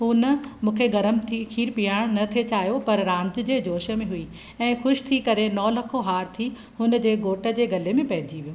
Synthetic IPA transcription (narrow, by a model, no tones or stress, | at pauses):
ɦʊnəmũːkʰeɡɐɾəmt̪ʰixʰiːɾpijaːɽ̃nɐt̪ʰet͡ɕaːɦjopɐɾɾãːɲd͡ʑ̆d͡ʑeːd͡ʑoːʃəmẽɦʊi | ɛ̃ːxʊʃt̪ʰikɐɾenɔːlɐkʰoɦaːɾt̪ʰi | hʊnə̆d͡ʑeːɡoːʈə̆d͡ʑeːɡɐlemẽpɐɦɪd͡ʑiʋijõː